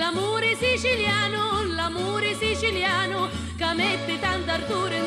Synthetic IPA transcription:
amuːɾɪsit͡ʃiljaːnʊlamuːɾɪsit͡ʃiljaːnʊ | kamet̪ːɪt̪and̪ard̪uːɾɪn

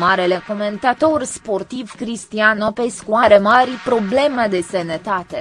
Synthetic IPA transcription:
maɾele̞ko̞ment̪at̪o̞rspo̞rt̪ivkɾist̪ianopeskuaɾe̞marʲpɾo̞ble̞med̪e̞senet̪at̪e̞

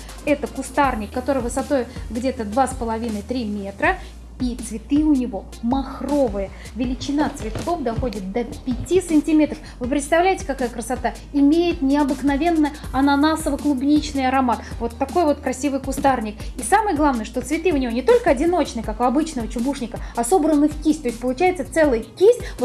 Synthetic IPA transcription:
ɛt̪əkʊst̪arnʲɪkːɐt̪o̞ɾɨjvɨsɐt̪o̞jɡdʲe̞t̪əd̪vaspəlˠɐvʲinəjt̪ɾʲimʲe̞t̪ɾə | it̪svʲɪt̪ɨʊnʲɪvo̞ | mɐxro̞vɨjə | vʲɪlʲɪt͡ɕɪnat̪svʲɪt̪ko̞fd̪ɐxo̞dʲɪt̪̚d̪əpʲɪtʲisɨnʲtʲɪmʲe̞t̪ɾəfvɨpɾʲɪt̪st̪ɐvlʲæjɪtʲɪ̥kɐkajəkɾəsɐt̪a | ɪmʲejɪt̪nʲɪɐbɨknɐvʲe̞nːəjəɐnɐnasəvəklˠʊbnʲit͡ɕnɨjɐɾɐmat̪vo̞t̪ːɐko̞jvo̞t̪kɾɐsʲivɨjkʊst̪arnʲɪk̚isamɨjəɡlˠavnəjəʂt̪o̞t̪svʲɪt̪ɨʊnʲɪvo̞nʲɪt̪o̞lʲkəɐdʲɪno̞t͡ɕnɨjkakʊɐbɨt͡ɕnəvət͡ɕʊbuʂnʲɪkəɐso̞bɾənːɨfkʲisʲt̪osʲtʲpəlˠʊt͡ɕæjɪt̪sət̪ɛlˠɨjkʲisʲvot̪

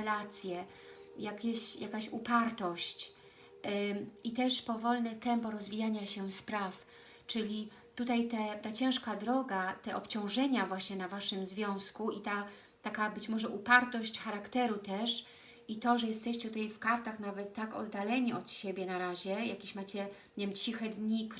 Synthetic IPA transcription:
lat̪sʲjɛ | jakʲeɕjakaɕupaɾt̪ɔɕt͡ɕ | it̪ɛʂpɔvɔlnɛt̪ɛmpɔɾɔzvʲijaɲaɕɛspɾaf | t͡ʂɘlʲi | t̪ut̪ajt̪ɛt̪at͡ɕɛ̃w̃ʂkad̪ɾɔɡat̪ɛʔɔpt͡ɕɔ̃w̃ʐɛɲavwaɕɲɛnavaʂɘmzvʲjɔ̃w̃skuʔit̪a | t̪akabɘt͡ɕmɔʐɛʔupaɾt̪ɔɕt͡ɕxaɾakt̪ɛɾut̪ɛʂ | it̪ɔʐɛjɛst̪ɛɕt͡ɕɛt̪ut̪ajfkaɾt̪axnavɛt̪ːakɔ̰d̪ːalɛɲiɔt̪ɕebʲjɛnaɾaʑɛjakʲiɕmat͡ɕɛɲevʲɛmt͡ɕixɛd̪ɲik

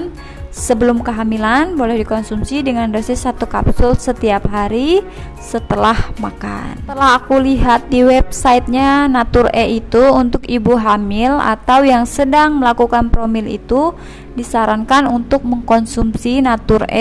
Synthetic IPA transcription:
n | səbəlʊmkəɦamilanbolɛhdikɔnsumsidəŋandosɪsːat̪ukapsʊlsət̪iapɦaɾi | sət̪əlahmaka̰nt̪əlaɦakuliɦat̪̚diwɛp̚sait̪̚ɲanat̪ʊrɛʔit̪uunt̪ʊkibuɦamɪla̰t̪awjaŋsədaŋməlakukanpɾomɪlḭt̪u | disaɾaŋkanunt̪ʊk̚məŋkɔnsumsinat̪ʊrɛ̰

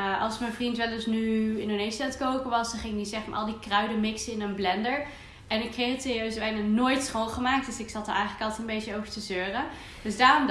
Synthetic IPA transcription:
ɑ̰lˠsmɛnvrintʋɛlˠdɵsnyɪnonejsiatkowkəʋɑsdɑχɪŋɪkisɛχma̰ʔɑ̰lˠdikrœɥdəmɪksəɪnənblɛndəɹ | ɛnɪkχejxətɪriøɥzəʋɛjnənoːjtsχolˠχəmaːk̚td̥øsɪksɑtə̰ɛjχələkɑlˠtənbejtəowvəɹtəzøːrə | d̥øsdaːrɔm

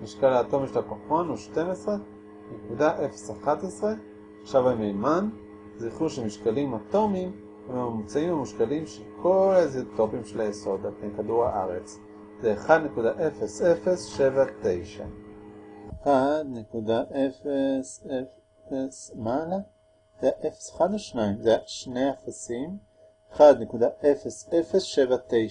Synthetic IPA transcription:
miʃkalaːto̞miʃelakoχonuʃte̞mesʁe | nekudaʔefe̥saχat̪esʁe̞ | ʃavamejman | ziχuʃemiʃkalimat̪o̞mim | hememamut͡saimamuʃkalimʃelkʰo̞lazet̪o̞pimʃelajeso̞d̪alpnejkaduʁha̰ʔaʁet͡s | zeːχad̪ne̞kudaʔefesefesʃe̞vat̪e̞jʃa̰ | eχad̪ne̞kudaʔefese | esmala | zeaʔefe̥se̥χad̪aʃnaimzeaʃnejafasim | eχad̪ne̞kudaʔe̞fesefesʃe̞vat̪ej

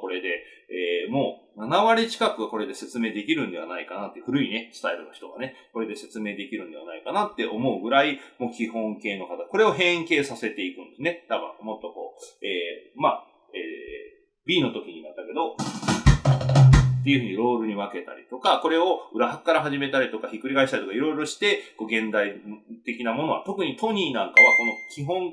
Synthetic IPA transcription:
ko̞ɾe̞d̪e̞ | eːmo̞ːnanaβaɾʲit͡ɕi̥kakɯ̟ɡako̞ɾe̞d̪e̞se̞t͡sɨme̞ːd̪e̞kʲiɾɯ̟̃nd̪e̞βa̰naikanat̪ːeɸɯ̟ɾɯ̟ine̞sɨ̥t̪aeɾɯ̟noçi̥t̪o̞ɡa̰ne̞ko̞ɾe̞d̪e̞se̞t͡sɨme̞ːd̪e̞kʲiɾɯ̟nd̪e̞a̰naikanat̪ːe̞ʔo̞mo̞ɯ̟ɡɯ̟ɾaimo̞ːkʲihõ̞ŋke̞ːno̞kat̪ako̞ɾe̞o̞ɦẽ̞ŋke̞ːsase̞t̪e̞ikɯ̟̃nd̪e̞sɨne̞t̪abɯ̰̃mo̞t̪ːo̞ko̞ːeːma | ḛː | bʲiːno̞t̪o̞kʲiɲ̟imat̪ːake̞d̪o̞ | t̪ːe̞iɯ̟ɸɯ̟ɲ̟iɾo̞ːɾɯ̟ɲ̟iβake̞t̪a̰ɾʲḭt̪o̞kako̞ɾe̞o̞ɯ̟ɾaɦakkːaɾaɦaʑime̞t̪aɾʲit̪o̞kaçikɯ̟ɾiɡaiɕi̥t̪aɾit̪okaiɾo̞iɾo̞ɕi̥t̪e̞ko̞ːɡẽ̞nd̪ait̪e̞kʲinamo̞no̞a̰t̪o̞kɯ̟ɲ̟it̪o̞ɲ̟iːnãŋkaβ̞ako̞no̞kʲiɦõ̞ŋ

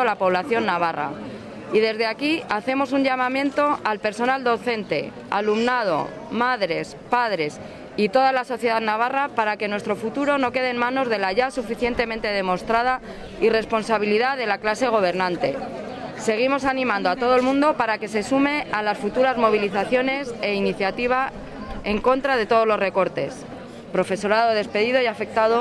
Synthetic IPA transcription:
lapo̞β̞laθjo̞nːaβ̞ara̰ | iðe̞zðe̞akiaθe̞mo̞suɲʎamãmjẽ̞nt̪o̞alpe̞ɾso̞nald̪o̞θe̞nt̪e̞ | alumnað̞o̞̰ | maðɾe̞spaðɾe̞s | it̪o̞ðalaso̞θjeðaðnaβ̞arapaɾake̞nwe̞st̪ɾo̞fut̪uɾo̞no̞ke̞ð̞eːnmãno̞zðe̞laʝasufiθje̞nt̪e̞mẽnt̪e̞ðe̞mo̞st̪ɾað̞a | ire̞spo̞nsaβ̞iliðaðe̞laklase̞ɣ̞o̞β̞e̞ɾnãnt̪e̞ | se̞ɣ̞imo̞sanĩmãnd̪oat̪o̞ð̞olmũnd̪o̞paɾake̞sesume̞alasfut̪uɾazmo̞β̞iliθaθjo̞ne̞se̞iniθjat̪iβ̞a | e̞ŋko̞nt̪ɾað̞e̞t̪o̞ð̞o̞zlo̞zre̞ko̞ɾt̪e̞s | pɾo̞fe̞so̞ɾaðoðe̞spe̞ðiðo̞jafe̞k̚t̪aðo

